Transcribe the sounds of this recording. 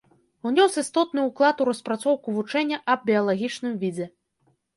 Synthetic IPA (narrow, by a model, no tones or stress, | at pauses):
unʲɔsist̪ɔt̪̚nɨuklˠat̪uɾɐspɾat̪sɔwkuvut͡ʂɛnʲːɐʔɐb̚bʲiɐlˠaɣʲit͡ʂnɨmvʲid͡zʲɛ